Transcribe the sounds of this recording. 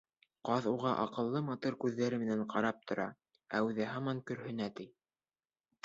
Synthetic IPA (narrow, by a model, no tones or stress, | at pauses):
qɑðuʁɑʔɑ̰qɤ̆lˠːɤmɑt̪uɾkʉðːæɾɘmɘ̆næɴqʰɑɾɑp̚t̪ʰŏɾɑ̰ | æʉðɘɦɑmɑŋkɵ̆ɾhɵ̆næt̪ij